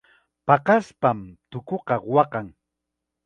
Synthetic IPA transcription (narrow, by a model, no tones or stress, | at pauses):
pɑqɑspamt̪ʊkoqɑɢowɑqɑŋ